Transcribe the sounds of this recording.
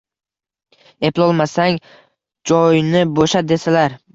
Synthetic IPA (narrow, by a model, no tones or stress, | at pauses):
e̞plˠɒlˠmasaŋ | d͡ʒɒjnɪboʃad̪e̞salaɾ